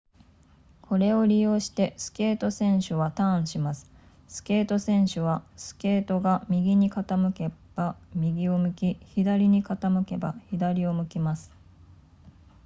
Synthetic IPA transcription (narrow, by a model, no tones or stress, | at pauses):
kʰo̞ɾe̞o̞ɾʲijo̞ːɕi̥t̪e̞sɨ̥ke̞ːt̪o̞sẽ̞ɰ̃ɕɨβat̪ãɕimasɨ̥ | sɨ̥ke̞ːt̪o̞sẽ̞ɰ̃ɕɨβasɨ̥ke̞ːt̪o̞ɡamʲiɡʲiɲ̟ikat̪amɯ̟ke̞b̥amʲiɡʲio̞mɯ̟kʲiçid̪aɾʲiɲ̟ikat̪amɯ̟ke̞ba̰çid̪aɾʲio̞mɯ̟kʲimasɨ̥